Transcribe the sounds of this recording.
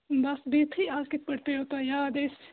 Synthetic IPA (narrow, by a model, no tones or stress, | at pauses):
bɐsbiːt̪ʰiaːkɪt̪̚pɐɽpeɦoːt̪ajaːd̪eːs